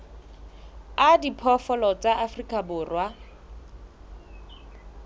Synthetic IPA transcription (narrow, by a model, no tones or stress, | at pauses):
adipʰɔfɔlɔt͡saʔafrikʼabʊːrwa